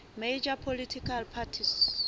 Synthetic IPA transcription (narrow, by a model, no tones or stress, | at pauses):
med͡ʒapʰɔlitʰikalpʰatʰis